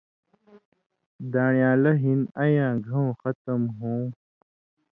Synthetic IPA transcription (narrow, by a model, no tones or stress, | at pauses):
d̪aːɳjaːlɐɦinɐjãːɡʱɐũxʌt̪ɐmɦũː